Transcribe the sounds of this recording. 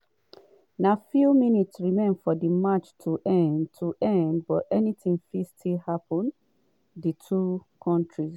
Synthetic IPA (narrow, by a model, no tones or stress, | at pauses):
nafjuminitsɹimẽndfɔdimat͡ʃtʰuʔɛ̃ntʰuʔɛ̃ndbɔtɛnitĩŋfistʰilhapʰɔ̃n | ditʰukʰɔ̃ntʰɹis